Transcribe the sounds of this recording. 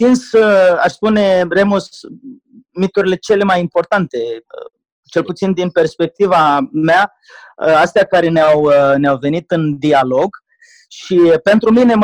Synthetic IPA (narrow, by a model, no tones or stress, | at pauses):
t̪insa̰ʃspune̞remos | mit̪uɾile̞t͡ʃe̞le̞majimpo̞rt̪ant̪e̞ | t͡ʃe̞lput̪sind̪inpe̞rspe̞k̚t̪ivamea | ast̪eakaɾe̞neawneawve̞nit̪ɨnd̪ialo̞ɡ | ʃipe̞nt̪ɾumine̞m